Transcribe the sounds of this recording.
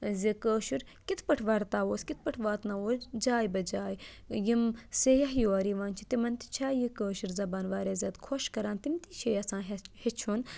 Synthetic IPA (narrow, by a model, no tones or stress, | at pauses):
zikəːʃiɾ | kit̪ʰpɐʈʰʋɐɾt̪aːoːskit̪̚ʰpɐʈʰʋaːt̪nɐoːd͡ʒaːjbɐd͡ʒaːjjimsejɐɦjoaːɾiːʋaːnt͡ʃʰit̪imɐnt̪i̥t͡ʃʰaːjikəːʃiɾzɐbaːnʋaːɾʲaːzʲaːt̪kʰoʃkɐɾaːnt̪imt̪iːʃʰeːjɐsãːɦhet͡ʃʰuːn